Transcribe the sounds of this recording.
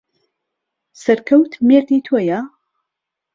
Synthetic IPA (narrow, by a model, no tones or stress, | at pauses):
sɐɾkʰɐwt̪meɾd̪iːt̪ʰoja